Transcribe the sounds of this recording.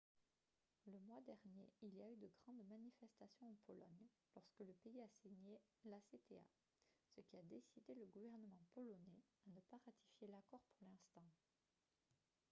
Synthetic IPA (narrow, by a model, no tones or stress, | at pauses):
ləmwad̪ɛʁnjeiliayd̪əɡʁɑ̃d̪manifɛst̪asjɔ̃ɑ̃pʰɔlɔɲ | lɔʁskələpeiasiɲelaset̪ea̰ | səkʲiad̪esid̪eləɡuvɛʁnəmɑ̃pɔlɔnɛanəpaʁat̪ʰi̥fjelakɔʁpuʁlɛ̃st̪ɑ̃